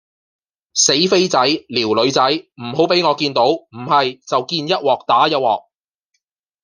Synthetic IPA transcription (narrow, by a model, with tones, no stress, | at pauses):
se˨˥jfe˥jt͡sɐ˨˥jliː˨˩wlɵ˨˧ɥt͡sɐ˨˥jm̩˨˩ɦo˨˥wpe˨˥jŋɔː˨˧kiː˧nt̪o˨˥wm̩˨˩hɐ˨jt͡sɐ˨wkiː˧njɐ˥t̚wɔː˨˩k̚t̪aː˨˥jɐ˥t̚wɔ̰ː˨k̚